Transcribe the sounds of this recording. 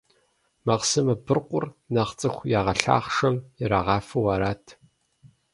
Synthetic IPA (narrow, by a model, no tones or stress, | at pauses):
mɐqsɨmɐbɨrqʷʊrnɐχt͡sʼɨxʷjaːʁɐɬa̰ːχʂɐmɪɾaʁɑːfɨwɐɾaːtʰ